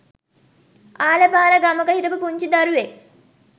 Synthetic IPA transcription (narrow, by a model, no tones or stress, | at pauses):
aːlɐbaːɾɐɡɐmɐɡɐɦiɾɐpupuɲt͡ʃid̪ɐɾuʋe